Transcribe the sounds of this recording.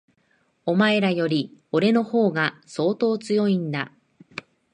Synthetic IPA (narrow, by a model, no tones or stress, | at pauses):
o̞mae̞ɾajo̞ɾʲio̞ɾe̞no̞ho̞ːɡaso̞ːt̪o̞ːt͡sɨjo̞ĩnd̪a